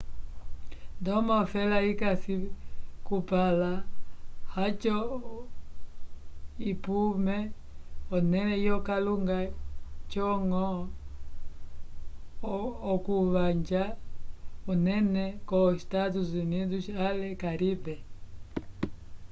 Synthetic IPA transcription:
ndɔmaɔfɛlaikasikupala | hat͡ʃɔ | ipumɛ | ɔnɛnɛjɔkaluŋɡat͡ʃɔŋɔ | kuβaɲd͡ʒa | ɔnɛnɛkɔʃi̥tatuzinizuʃalɛkaɾibɛ

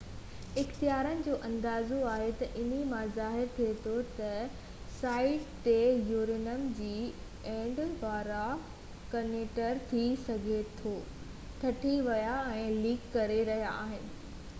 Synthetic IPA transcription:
ɪxt̪ijaːɾənɪ̆d͡ʑoːʔɐ̃nd̪aːzoaːɦet̪ɐʔɪn̤imãzaːɦɪɾt̪ʰiet̪ʰot̪ɐ | saːɪʈt̪ejuːɾɪnəmd͡ʑiː | ẽːɳɖʋaːɾa | kɐneːʈəɾt̪ʰisɐɡʱet̪ʰoː | t̪ʰɐʈʰiʋɐjaɛ̃ːliːkːɐɾeɾɐɦijaaːɦɪnɪ̆

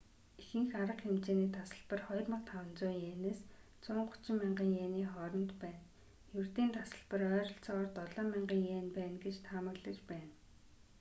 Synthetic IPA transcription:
ixɘ̆ŋxaɾə̆qxemt͡ɕeːniːt̪ʰasə̆ɮpə̆rχɔjrmə̆qt̪ʰawə̆nt͡sʊːjeːneːs | t͡sʊːɴɢʊ̥t͡ɕɪ̆mːiɴɢiːŋjeːniːχɔːɾɞ̆nt̪pæːn | jɵrt̪iːnt̪ʰasə̆ɮpə̆rœːɾɞ̆ɬt͡sɔʁɔːrt̪ɔɮɔːmiɴɢiːŋjeːnpæːnɡet͡ɕt̪ʰamə̆rɮĭt͡ɕpæːn

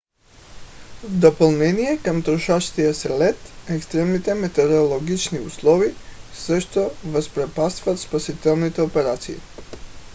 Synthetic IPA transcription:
vd̪opolˠnɛnijɛkamt̪ɾɔʃaʃt̪ijasɛlɛt̪ɛkst̪ɾɛmnit̪ɛmɛt̪ɛɾoolˠɔɡit͡ʃniuslˠɔvisəʃt̪ovəspɾɛpast̪vat̪spasit̪ɛlˠnit̪ɛɔpɛɾat̪sḭː

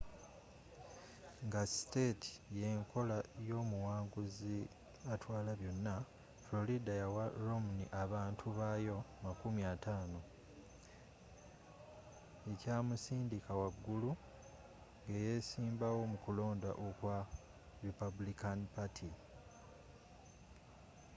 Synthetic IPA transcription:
ŋɡaste̞tʰi̥je̞ːŋkʰo̞lajo̞ːmuwaːŋɡuzi | atwaːlaβjo̞nːa | flo̞lidajawaɾomuniʔaβaːntʰuβajo̞makumiataːno̞ | e̞caːmusiːndikawaɡːulu | ŋɡe̞je̞siːmbawo̞mukulo̞ːnda̰ʔokwa | ɾipabulikanipatʰi

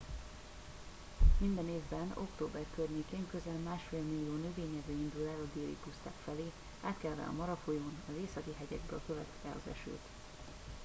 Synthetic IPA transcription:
mind̪ɛneːvbɛno̞̰kt̪oːbɛrkørɲeːkeːŋkø̞zɛlmaːʃfeːlmilːijoːnøveːɲɛzøːind̪ulɛːlɒd̪eːɾḭpust̪a̰ːkfɛleː | aːt̪kɛlvɛ̰ɒ̰mɒɾɒfojoːnɒzeːsɒkiɦɛɟɛɡ̚bø̰ːlkøvɛt̪ɛɒ̰zɛ̰ʃø̰ːt̪

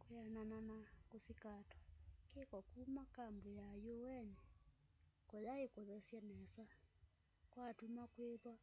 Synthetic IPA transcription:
kojanananakosikatɔ̥kekɔkumakambojajowɛnɛ | kɔjaekoðɛsjɛnɛsa | kwatumakweðwa

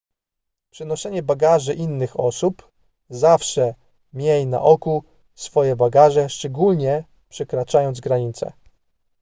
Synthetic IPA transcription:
pʂɛnɔɕɛɲɛbaɡaʐɘʔinːɘxɔsup | zafʂɛ | mʲjejna̰ʔɔku | sfɔjɛbaɡaʐɛʂt͡ʂɛɡulɲɛ | pʂɛkɾat͡ʂajɔnd̪zɡɾaɲit̪sɛ̰

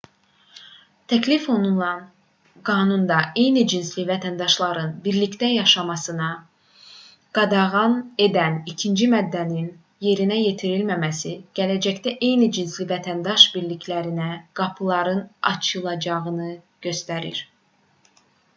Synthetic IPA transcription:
t̪ʰæcʰlifo̞nulˠɑn | ɡɑːnund̪ɑʔe̞jnid͡ʒinslivæt̪ʰænd̪ɑʃlˠɑɾɯnbiɾlict̪æjɑʃɑmɑsɯnɑ | ɡ̥ɑd̪ɑʁɑne̞d̪ænicʰind͡ʒimæd̪ːænin | je̞ɾinæje̞t̪ʰiɾilmæmæsiɟ̥ælæd͡ʒæct̪æʔe̞jnid͡ʒinslivæt̪ʰænd̪ɑʃbiɾlicʰlæɾinæɡ̥ɑpʰɯlˠɑɾɯnɑ̰t͡ʃʰɯlˠɑd͡ʒɑʁɯnɯ | ɟ̥ø̞st̪æɾḭɾ

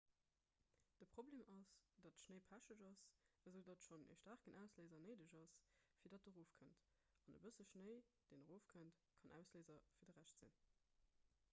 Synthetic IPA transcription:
d̥əpχobleːmʔɑsd̥ɑtʃnəɪpʰæʃəʒɑsəzəʊdɑtʃonḛʃtæːʁkənʔæʊsleːzɐnəɪdəʒɑsfiːɐdɑt̚dəʁoːfkʰənt | ɑnəbəsəʃnəɪd̥eːnəʁoːfkʰənt | kʰɑnʔæ̰ʊsleːzɐfiːɐdəʁæʃtz̥ḭn

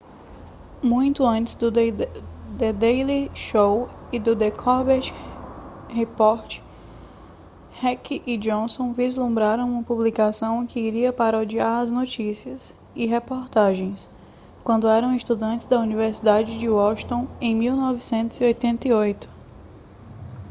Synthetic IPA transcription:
mũj̃t̪ʊɐ̃nt͡ʃɪ̥zd̪ʊd̪ | d̪ed̪ejliʃowid̪ʊd̪ekʰɔbet͡ʃ | hepɔɾt͡ʃɪ̥ | hɛkiʔid͡ʒõsõw̃vizlũmbɾaɾɐ̃w̃ũmɐpublikasɐ̃w̃kɪːɾiɐpaɾɐod͡ʒiaɾɐznot͡ʃisiɐs | iɦepoɾt̪aʒẽj̃s | kwɐ̃nd̪ʊɛɾɐ̃w̃ist̪ud̪ɐ̃nt͡ʃɪzd̪ɐuniveɾsid̪ad͡ʒɪd͡ʒɪɔʃt̪õẽj̃miwnɔvisẽnt̪ʊziojt̪ẽnt̪ɐeiojt̪ʊ̥

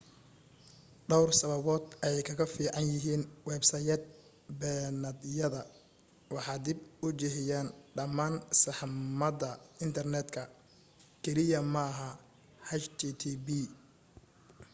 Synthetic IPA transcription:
ɖɔwrsɐβɐβɔːd̪ɛjkʰɐɣɐfiːʕɑnjɪɦiːnwɛːbsɐːjɛːd̪̚ | bɛːnɐd̪jɐðɐ | wɑħɑːd̪ɪbʊt͡ʃɛɦɪjaːnɖɐmaːnsɑħmɐd̪ɐɪnt̪ʰɐrnɛːd̪kʰɐ | kʰɛlɪjɐmɐɦɐ | hɐt͡ʃt̪ʰit̪ʰibi

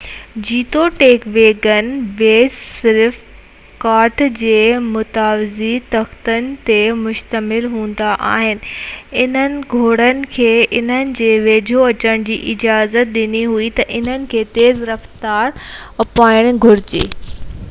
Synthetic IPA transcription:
d͡ʑiːt̪oʈeːkʋeːɡənʋeːd͡ʑsɪɾf | kaːʈd͡ʑeːmʊt̪aːʋɪzit̪ɐxt̪ənɪ̆t̪emʊʃt̪əmɪlɦũːn̆d̪aʔa̰ːɦɪnɪ̆ɪn̤ənɪ̆ɡʱoːɽənɪ̆kʰeːɪn̤ənɪ̆d͡ʑeːʋeːd͡ʑʱoɐt͡ɕəɽ̃d͡ʑḭːʔɪd͡ʑaːzət̪̚ɗɪniɦuit̪ɐʔɪn̤ənɪ̆kʰeːt̪eːzɾɐft̪aːɾɐpaːɪɽ̃ɡʱʊɾɪt͡ɕḛː

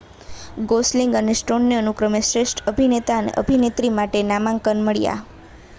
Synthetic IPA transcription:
ɡosliŋɡənesʈonjəənukɾəmesɾeʃʈʰəbʱinet̪aənḛʔə̰bʱinet̪ɾimaʈenamãŋkənməɭja̰

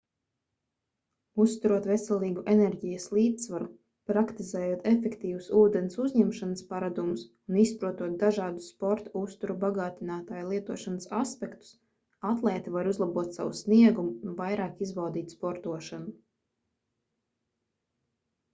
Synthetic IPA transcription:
usst̪uɾuɔt̪vesɛlˠiːɡuʔenɛɾɟijəslˠiːt̪ssvaɾu | pɾakt̪izɛːjuɔt̪efekt̪iːvusuːd̪ɛnsuzʲɲɛmʃanəspaɾad̪umus | unispɾuɔt̪uɔt̪̚d̪aʒɑːd̪usːpɔɾt̪aust̪uɾubaɡɑːt̪inaːt̪aːjlˠiɛt̪uɔʃanəsaspɛkt̪u̥s | at̪lˠɛːt̪ivaɾuzlˠabuɔt̪sa̰wṵsniɛɡumuvajɾɑːkizbawd̪iːt̪spɔɾt̪uɔʃanu

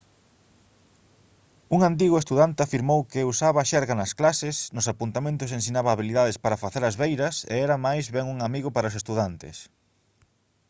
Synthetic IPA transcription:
uŋant̪iɣʊest̪uðant̪eafiɾmowkɪusaβɐːʃɛɾɣanɐsklasɪsnʊsapunt̪amẽnt̪ʊsẽnsinaβɐːβiliðaðespaɾɐfaθeɾɐzβejɾɐsḛɛɾɐmajzβɛŋuŋamiɣʊpaɾɐosest̪uðant̪ɪ̰s

